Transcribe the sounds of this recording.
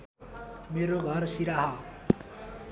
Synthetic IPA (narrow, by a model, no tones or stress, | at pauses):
meɾoɡʱʌrsiɾaɦʌ